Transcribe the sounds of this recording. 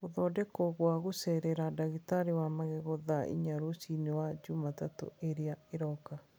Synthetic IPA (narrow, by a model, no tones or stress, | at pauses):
oðɔdɛkɔɣwaɣosɛɾɛɾadaɣitaɾewamaɣɛɣɔðaʔḭɲaɾosinewad͡ʒumatato̰eɾeaeɾɔka